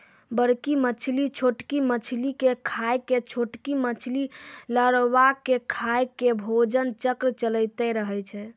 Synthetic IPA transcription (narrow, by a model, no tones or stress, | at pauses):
bəɾkimət͡ʃʰlit͡ʃʰoʈkimət͡ʃʰlikekʰajket͡ʃʰoʈkimət͡ʃʰliləɽʋakekʰajkebʱod͡ʒənt͡ʃəkɾt͡ʃələɪt̪ɛɾəɦɛt͡ʃʰɛ